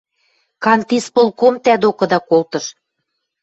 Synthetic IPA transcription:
kɑnt̪ispolkomt̪æd̪okɤ̆d̪ɑkolt̪ɤ̆ʃ

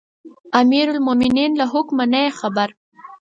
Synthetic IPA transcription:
amiɾʊlmomininlaɦʊkmanajexabaɾ

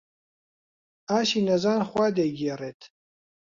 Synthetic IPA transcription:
aːʃiːnɐzaːnxʷaːd̪eɡeːreːt̪ʰ

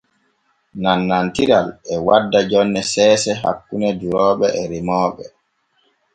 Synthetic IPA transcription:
nanːantiɾalɛwadːad͡ʒɔnːɛsɛːsɛɦa̰kːunɛduɾɔːɓɛʔɛɾimɔːɓɛ

